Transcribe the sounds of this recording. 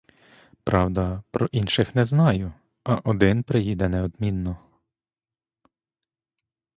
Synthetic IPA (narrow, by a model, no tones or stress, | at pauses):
pɾɑwd̪ɐpɾɔʔinʃɪxnɛznɑjʊ | ɐʔɔd̪ɪnpɾɪjid̪ɛnɛɔd̪mʲinːɔ